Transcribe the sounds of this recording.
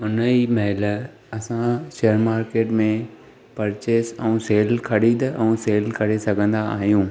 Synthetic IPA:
ɦʊniːmɐɦɪl | ɐsãʃeːəɾmaːɾkeːʈmẽ | pɐɾt͡ɕeːsɛ̃ũseːlkʰɐɽid̪ʔɛ̃ũːseːlkʰɐɽesɐɡʱə̃nd̪aa̰ːɦijũː

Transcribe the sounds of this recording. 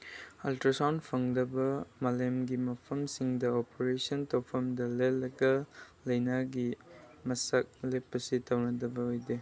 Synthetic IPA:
ɐltɾasawnpʰɐŋdɐbɐmalemɡimɐpʰɐmsiŋdɐopoɾesɐntopʰɐmdɐlelːɐɡɐlɐjnaɡimɐsɐk̚lepːɐsitɐwnɐdɐbɐojde

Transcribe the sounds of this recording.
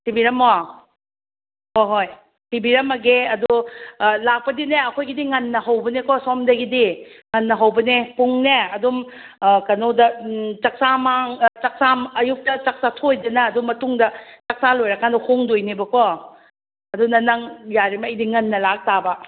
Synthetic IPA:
tibiɾɐma | hojɦoj | tibiɾɐmɐɡeɐdulak̚pɐdineɐkʰojɡidiŋɐnːɐɦawbɐnekɔsɔmdɐɡidiŋɐnːɐɦɐwbɐnepuŋneɐdum | kɐnodɐt͡ʃɐk̚samaŋt͡ʃɐk̚samɐjuk̚tɐt͡ʃɐk̚satʰojdɐnɐːdumɐtuŋdɐt͡ʃɐk̚salojɾɐkʰandɐhʰoŋdojnibɐkʰɔ | ɐdunɐnɐŋjaɾimɐjdiŋɐnːɐlak̚tabɐ

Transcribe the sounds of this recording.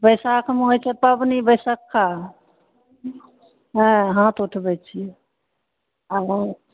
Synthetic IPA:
bəjsakʰmeɦojt͡ʃʰɛpəbnibəjsəkːa | ɦə̃ɦãt̪uʈʰbɛt͡ʃʰiɛ | abə

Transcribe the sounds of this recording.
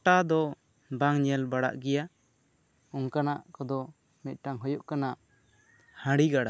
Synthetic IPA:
ʈad̪ɔ | baŋɲɛlbaɽa̰ʔɡɛja | ɔŋkanaʔkɔd̪ɔ | mɛt̪̚ˀʈaŋɦɔjɔʔkanaʔ | hãɽiɡaɽa

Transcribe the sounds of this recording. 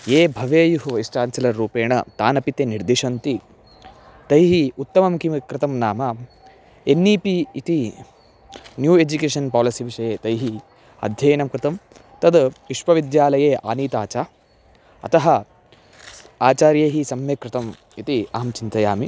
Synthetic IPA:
jeːbʱɐʋeːjuɦuisʈaːnsɐlɐɾːuːpeːɳɐt̪aːnɐpit̪eːniɾd̪iʂɐnt̪i | t̪ɐjɦiut̪ːɐmɐmkimkɾɪt̪ɐmnaːma | enːiːpiːt̪i | njuːed͡ʒukeːʃɐnpaːlɐsiʋiʂɐjeːt̪ɐjɦi | ɐ̰d̪ʱjɐːnɐmkɾɪt̪ɐm | t̪ɐd̪ʋiʂʋɐʋid̪jaːlɐjeːʔa̰ːniːt̪aːt͡ʃaː | ɐ̰t̪ɐɦɐ | aːt͡ʃaːɾjeːɦisɐmjekɾɪt̪ɐm | it̪iɐɦɐmt͡ʃint̪ɐjaːmi

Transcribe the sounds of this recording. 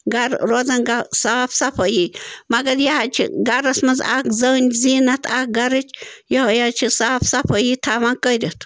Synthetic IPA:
ɡɐɾɾoːzɐnɡasaːfsɐpʰojimɐɡɐɾjahat͡ʃʰḭɡɐɾɐsmɐza̰kzɐnʲziːnɐt̪ʰak̚ɡɐɾɨt͡ʃʲjohjat͡ʃʰisaːfsɐpʰojit̪ʰamankəɾʲet̪ʰ

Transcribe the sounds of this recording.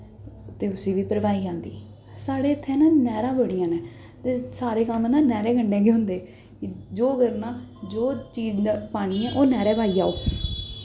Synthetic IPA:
t̪eːʊsĩːʋiːpəɾʋaːiːd͡ʒãːnd̪ḭː | saːɽeːət̪ʰːẽːnãːnɛːɾãːbəɽijãːnɛ̃ː | t̪eːsaːɾeːkəmnãːnɛːɾeːɡəɳɖẽːɡeːɦʊ̃nd̪eː | d͡ʒoːɡəɾnãːd͡ʒoːt͡ʃiːd͡ʒpaːɽ̃iːɛ̃ːʔoːnɛːɾɛːpaːiːaːoː

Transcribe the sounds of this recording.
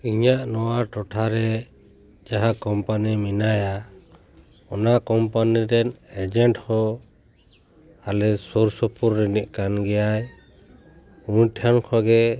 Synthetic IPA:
iɲaʔnɔwaʈɔʈʰaɾɛ | d͡ʒaɦakɔmpaniminaja | ɔnakɔmpaniɾɛnɛd͡ʒɛɳʈhɔ | alɛsuɾsɔpuɾːiniʔ̚kanɡɛjaj | unʈʰankʰɔɡɛ

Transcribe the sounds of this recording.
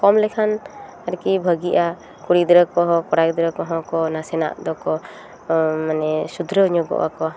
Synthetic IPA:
kɔmlɛkʰan | aɾkibʱəɡiʔa | kuɽid̪ɾəkɔɦɔ̃kɔɽak̚d̪ɾəkɔɦɔ̃kɔnasɛna̰ʔd̪ɔkɔ | manɛsud̪ʱɾəɲɔɡɔ̰ʔa̰kɔ

